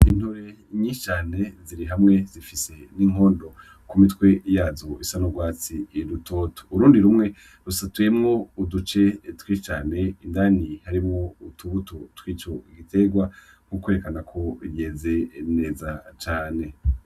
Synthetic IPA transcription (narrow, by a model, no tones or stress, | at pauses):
in̥hoɾe̞ | ɲiʃit͡ʃaːne̞ziɾiɦamŋe̞zifise̞niːŋ̥o̞ːndo̞ | kumitwe̞jaːzoisanoɡwaːt͡siːɾutʰo̞to̥uɾuːndiɾumŋe̞ | ɾusatujemŋo̞udut͡ʃe̞twiːt͡ʃaːne̞indaːnihaɾimo̞utʰuβutotwiːt͡ʃo̞iɡitʰe̞ɡwa | ŋ̥ukweɾekanakʰo̞jeːze̞ne̞ːzat͡ʃaːne̞